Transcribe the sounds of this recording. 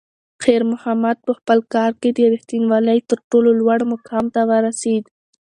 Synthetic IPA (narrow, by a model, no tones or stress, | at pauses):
xeɾmʊhamad̪̚pəxpəlkɑɾked̪əɾixt̪inwɑləjt̪əɾʈololwaɽmʊkʰɑmt̪awəɾased̪